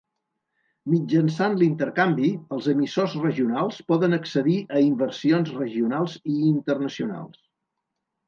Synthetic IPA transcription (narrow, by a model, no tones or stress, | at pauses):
mid͡ʒənsanlint̪əɾkambiəlˠzəmisozrəʒiunalˠspɔðənəksəðiʔəimbərsionzrəʒiunalˠziːnt̪əɾnəsiuna̰lˠs